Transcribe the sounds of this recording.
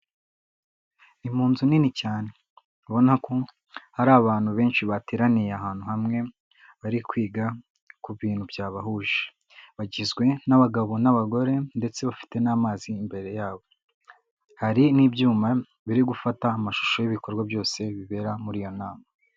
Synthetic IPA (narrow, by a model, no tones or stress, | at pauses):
im̥uːnzuninicaːne̞ | βo̞nako | haɾaːβaːn̥huβe̞ːnʃiβateɾanijeaɦaːn̥huhamŋe̞ | βaɾikwiːɡa | kuβiːn̥hubjaːβaɦuːʒe̥ | βaɟizɡwe̞naβaɡaβo̞naβaɡo̞ɾe̞nde̞t͡se̞βafi̥te̞naːmaːziːmbe̞ɾe̞jaːβo̞ | haɾiniːbjuːma | βiɾiɡufataːmaʃu̥ʃojiβiko̞ɾɡwabjo̞ːse̞βiβe̞ɾamuɾiːjo̞naːma